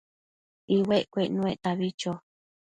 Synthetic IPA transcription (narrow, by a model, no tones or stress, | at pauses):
iweʔkʷeʔnũeʔt̪aβit͡ʃo